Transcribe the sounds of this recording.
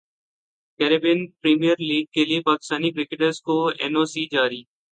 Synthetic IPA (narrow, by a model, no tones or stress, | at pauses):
kɛːɾebɪnpɾiːmijəɾliːɡ̚keːliepaːkɪ̥st̪aːniːkɾɪkɪʈəɾzkoːḛːnoːsiːd͡ʒaːɾiː